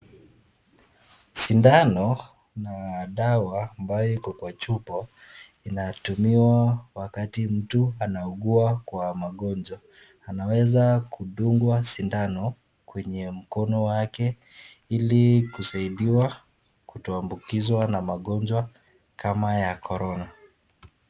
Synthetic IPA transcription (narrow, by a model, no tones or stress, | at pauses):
sindanɔ | naɗawaːmbajɔikɔkwat͡ʃupɔ | inatumiwawakatim̩tuanauɠuakwamaɠɔnd͡ʒwaː | nawɛzakuɗuŋɡwasindanɔ | kwɛɲɛm̩kɔnɔwakɛ | ilikusaiɗiwa | kutɔambukizwanamaɠɔnd͡ʒwa | kʰamajakʰɔɾɔna